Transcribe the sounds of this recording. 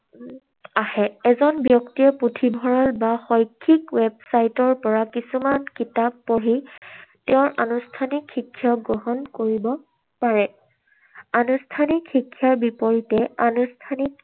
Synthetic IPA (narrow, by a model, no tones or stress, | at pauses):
ahɛɛzɔnbjɔktiɔputʰibʱɔɹalbaxɔjkʰːikwɛbsajtɔɹpɔɹakisumankitapːoɹitɛʊ̃ɹʔanustʰanikʰːikʰːjaɡɔɦɔnkoɹibɔ | paɹɛ | anustʰanikxikʰːjaɹbipoɹitɛanustʰanik